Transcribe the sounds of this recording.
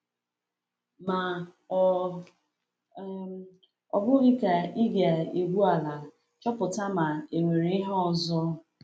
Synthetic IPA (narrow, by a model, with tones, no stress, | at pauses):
ma˨ | ɔ˨bʊ˦ɣi˦ka˨i˦ɡa˨e˨ɡʷu˦a˨la˨ | t͡ʃɔ˦pʊ˨ta˦ma˨e˨ŋʷe˨ɾi˦ɦɔ˨zɔ˦